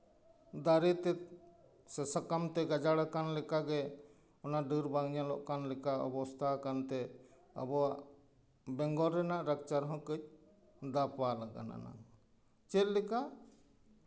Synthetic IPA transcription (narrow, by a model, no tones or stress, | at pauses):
d̪aɾɛt̪ɛ | sɛsakamt̪ɛɡad͡ʒaɽakanlɛkaɡɛ | ɔnaɖəɾbaŋɲalɔʔkanlɛkaɔ̰bɔst̪ʰakant̪ɛ | ə̰bɔwaʔ | bɛŋɡɔɾːɛnaʔɾak̚t͡ʃaɾɦɔ̃kəc̚ | d̪apwalaɡa̰na̰na̰ | t͡ʃɛt̪̚lɛka